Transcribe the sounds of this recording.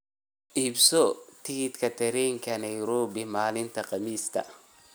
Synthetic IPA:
ʔiːbsɔt̪ʰɪɡɪt̪kʰɐt̪ʰɛɾɛŋkʰɐnɐjɾɔːbɪmaːlɪnt̪ʰɐqɑmiːst̪ʰɐ̰

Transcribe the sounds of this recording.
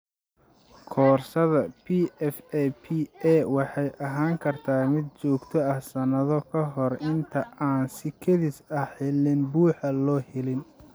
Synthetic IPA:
kʰɔːrsɐðɐpʰiɛfɛpʰiɛwɑħɑjʔɐɦaːŋkʰɐrt̪ʰaːmɪd̪̚t͡ʃɔːɡt̪ʰɔɐhsɐnɐðɔkʰɐɦɔrɪnt̪ʰɐʔaːnsɪkʰɛðɪsɐħɛlɪnbuːħɐlɔːhɛlɪn

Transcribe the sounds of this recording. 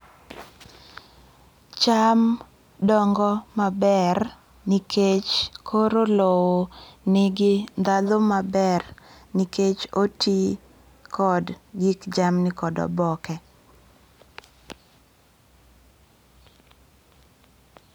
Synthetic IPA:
t͡ʃam | dɔŋɡɔmabɛr | nikʰet͡ʃkʰoɾolowonɪɡɪnd̪adomabɛr | niket͡ʃotʰi | kɔdɡikd͡ʒamnɪkɔdɔ̰bɔkɛ

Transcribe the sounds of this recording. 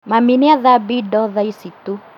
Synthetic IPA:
maminiaðabidɔðaisitu

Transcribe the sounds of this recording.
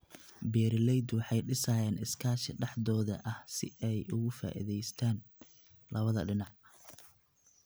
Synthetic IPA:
bɛːɾɪlɛjd̪wɑħɑjɖɪsaːjaːnɪskʰaːʃɪɖɑħd̪ɔːðɐʔɐhsɪ̰ɛjʔʊɣʊfa̰ːʔḭðɛjst̪ʰaːn | lʔɐβɐðɐɖɪnɑʕ

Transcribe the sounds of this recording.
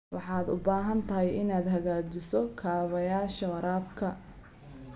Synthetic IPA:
wɑħɑːd̪ʊ̰baːɦɐnt̪ʰɐɦɛjʔɪnaːd̪ɦɐɣaːt͡ʃɪsɔkʰaːβɐjaːʃɐwɐɾaːbkʰɐ

